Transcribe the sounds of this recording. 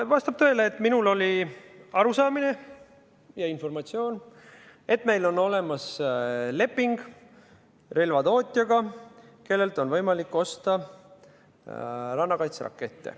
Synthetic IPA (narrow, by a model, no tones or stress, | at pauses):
vɑst̪ɑb̚t̪ø̞eleːt̪ːminulo̞liɑɾusɑːmine̞ | jɑinfo̞rmɑt̪sio̞ːn | e̞t̪ːˑme̞jlo̞nːo̞le̞mɑsle̞pːˑiŋɡ̥ | relvɑt̪o̞ːt̪ʲˑjɑɡɑ | ke̞lːe̞lt̪ˑo̞nvɤjmɑlikːo̞st̪ɑ | rɑnːɑkɑjt̪srɑ̰kːˑe̞t̪ːḛ